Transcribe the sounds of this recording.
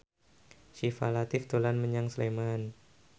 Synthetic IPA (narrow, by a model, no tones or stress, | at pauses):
ʃifa̰lat̪ɪft̪olanməɲaŋsəleman